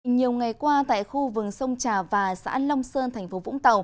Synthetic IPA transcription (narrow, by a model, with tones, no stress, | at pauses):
ɲi˨˩əwŋa˨˩jkwaː˧t̪a̰ː˧˨jxu˧vɨ˨˩k̚sə˧wŋ͡mt͡ɕaː˨˩vaː˨˩sa̰ː˧˥lə˧wŋ͡msəː˧nt̪ʰɛ˨˩ŋ̟fo˨˦vʊ̰˧˥ŋ͡mt̪ə˨˩w